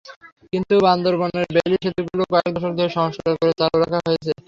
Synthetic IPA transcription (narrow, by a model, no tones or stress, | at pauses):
kint̪uband̪oɾbɔneɾbelitʃot̪iɡulokɔek̚d̪ɔʃ̬oɾd̪ʱeɾʃɔɦoʃːoɾakoɾet͡ɕaɾoɾakʰaɦojet͡ɕʰe